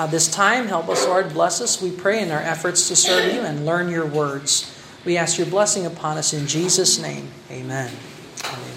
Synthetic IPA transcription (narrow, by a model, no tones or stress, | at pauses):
ðɪstʰãɪ̃mɦɛlˠpʌslɔɹd̚blɛsʌswipʰɹ̥eɪɨ̃naʊə˞ʔɛfə˞tstʰɨsɜ˞vjʉɨ̃nlɜ̃˞njə˞wɜ˞dz̥ | wiæskjə˞blɛsɪ̃ŋəpʰɑ̃nʌsɨ̃nd͡ʒizʌsnḛ̃ɪ̃m | eɪmɛ̃n